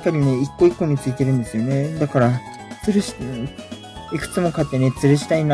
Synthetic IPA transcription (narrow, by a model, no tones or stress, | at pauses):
kːaɾʲine̞ikːo̞ikːo̞ɲ̟it͡sɨit̪e̞ɾɯ̟̃nd̪e̞sɨijo̞ne̞d̪akaɾa | t͡sɨɾɯɕi̥ | ikɯ̟̥t͡sɨmo̞kat̪ːe̞ne̞t͡sɨɾɯ̟ɕi̥t̪ain